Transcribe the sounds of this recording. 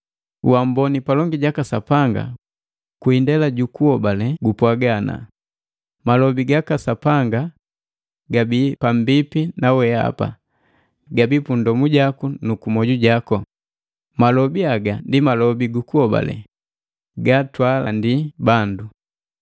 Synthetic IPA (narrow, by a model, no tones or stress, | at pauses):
wambɔnipalɔŋɡiɟakasapaŋɡa̰ | kuindɛlaɟukuhɔbalɛɡupwaɡana̰ | malɔbiɡakasapaŋɡa | ɡabipam̩bipinawɛa̰pa̰ | ɡabipundɔmuɟakunukumɔɟuɟakɔ | malɔbiaɡandimalɔbiɡukuhɔba̰lɛ̰ | ɡatwalandibandu